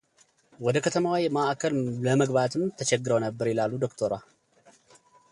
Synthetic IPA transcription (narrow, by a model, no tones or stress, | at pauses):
wɔd̪əkʰət̪ʰəmawijmaʔakʰəlləməɡβat̪ʰɨmt̪ʰət͡ʃɛɡːɨɾəwnəbːəɾjɪlalːud̪o̞kt̪ʰoɾa